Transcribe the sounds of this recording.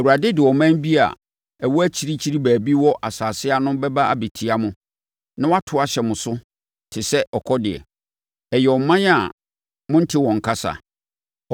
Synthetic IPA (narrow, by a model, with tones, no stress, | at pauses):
ɛ˨wu˨ɾa˨dɪ˦dɪ˨wɔ˨mã˦nbi˦a̰˨ | ɛ˨wɔ˦æ˦t͡ɕʰi˦ɾi˦t͡ɕʰi˦ɾi˦bæː˨bi˦wɔ˦ʔa˨saː˨sɪ˦a˦nʊ̃˦bɛ˦ba˦a̰˨be˨tʰi˦a˦mʊ̃˨ | nã˦wa˦tʰʊ˨˦a˨ɕɛ˨mʊ̃˨sʊ˦ | tʰɪ˨sɛ˦ɔ˨kʰɔ˦dɪ˨ɛ̰˨ | ɛ˨jɛ˨ɔ˨mã˦n˦a˨ | mʊ̃˦n̩˦tʰɪ˦wɔ̃˨ŋ˨kʰa˦sa̰˨